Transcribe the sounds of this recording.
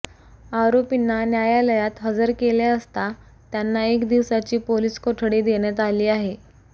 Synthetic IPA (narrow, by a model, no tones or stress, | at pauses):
aɾopinːanjajaləjat̪ɦəd͡zəɾkeljaəst̪a | t̪janːaekd̪iʋsat͡ɕiːpoliːskoʈʰɽiːd̪eɽ̃jat̪aliːaɦe